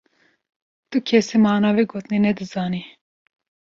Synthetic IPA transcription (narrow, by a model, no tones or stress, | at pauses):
t̪ukʰɛsimɑːnɑːviɡoːt̪ninɛd̪ɨzɑːni